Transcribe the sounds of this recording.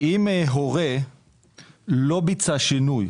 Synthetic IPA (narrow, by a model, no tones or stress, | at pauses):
imeɦoʁe | lo̞bit͡saʃinuj